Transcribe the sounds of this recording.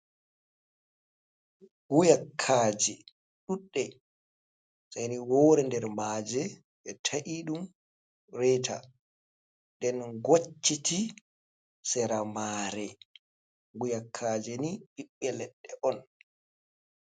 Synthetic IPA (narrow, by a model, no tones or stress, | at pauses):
ɡujakʰːaːd͡ʒɛ | ɗuɗːɛ | sajniwɔːɾɛndɛɾmaːd͡ʒɛ | ɓɛtʰaʔiɗum | rɛtʰa̰ | dɛnɡot͡ʃːiti | sɛɾamaːɾɛ | ɡujakʰːaːd͡ʒɛniɓiɓːɛlɛɗːɛʔɔn